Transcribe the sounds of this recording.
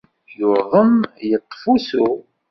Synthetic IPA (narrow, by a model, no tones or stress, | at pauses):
jʊɾðˤəmjət̪ˤːfusu